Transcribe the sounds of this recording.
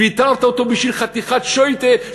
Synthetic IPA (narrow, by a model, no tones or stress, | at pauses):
it̪aʁt̪aot̪obiʃvilχat̪iχat̪ʃojt̪e